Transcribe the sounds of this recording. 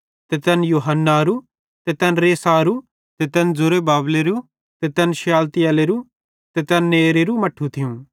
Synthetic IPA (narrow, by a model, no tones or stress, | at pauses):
t̪ɛt̪ɛnjoːɦənːaɾu | t̪et̪ɛnɾeːsaːɾu | t̪et̪ɛnd͡zʊɾebaːbleɾu | t̪ɛt̪ɛnʃjaːlt̪ɪjɐleɾu | t̪et̪ɛnːeːɾeɾumɐʈʰːut̪ʰɪjũ